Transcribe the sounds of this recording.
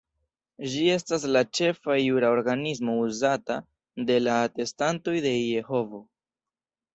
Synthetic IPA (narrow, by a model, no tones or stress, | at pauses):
d͡ʒie̞stas̬lat͡ʃe̞fajuɾao̞ɾɡanis̬mo̞uzata | de̞laːte̞stanto̞jde̞je̞ho̞vo̞